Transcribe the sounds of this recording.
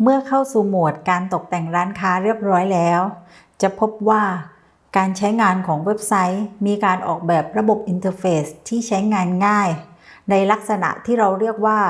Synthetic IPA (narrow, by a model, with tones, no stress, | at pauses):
mɯ˥˩əkʰa˥˩wsuː˨˩mu˨˩ət̪̚kaː˧nt̪o˨˩k̚t̪ɛ˨˩ŋɾaː˦˥nkʰaː˦˥ɾi˥˩əp̚ɾɔː˦˥jlɛː˦˥w | t͡ɕa˨˩pʰo˦˥p̚waː˥˩ | kaː˧nt͡ɕʰa˦˥jŋaː˧nkʰɔː˩˦ŋwe˦˥p̚sa˦˥jmiː˧kaː˧nʔɔ̰ː˨˩k̚bɛː˨˩p̚ɾa˧bo˨˩p̚ʔi˧nt̪ɤː˧feː˦˥st̪ʰiː˥˩t͡ɕʰa˦˥jŋaː˧nŋaː˥˩jna˧jla˦˥k̚sa˧na̰˨˩ʔt̪ʰiː˥˩ɾa˧wɾi˥˩ək̚waː˥˩